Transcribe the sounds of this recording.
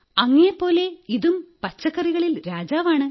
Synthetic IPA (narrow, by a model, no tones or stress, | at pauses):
ɐŋːɐjepːo̞ːle̞iðumpɐt͡ɕːɐkːɐriɣɐɭilɾaːd͡ʑaːʋaːɳɨ